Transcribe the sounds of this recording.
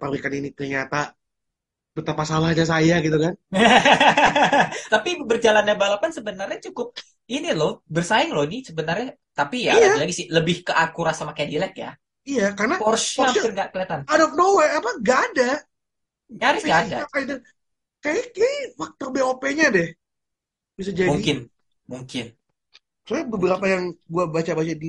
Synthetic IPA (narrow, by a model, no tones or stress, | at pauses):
pawikaninit̪ərɲat̪a | b̥ət̪apasalahɲas̬ajaɡit̪ukan | t̪apibərd͡ʒalandabalapansəbənarɲat͡ʃukʊp̚ | inilobərsaɪŋlonisəbənarɲa | t̪apijaadilaɡisihləbɪhkəʔakuɾasamakadilɛk̪̚ja̰ | ijakarnapɔrsaɪrŋɡaʔkəleat̪anadɔp̚nowɛapaɡaːda | ɲaɾɪsɡadaakaidə | kaakewak̚t̪obɛopeɲadɛh | b̥is̬ad͡ʒauŋikɪn | muŋkɪn | sujabəbəɾapajaŋɡuabat͡ʃabat͡ʃadi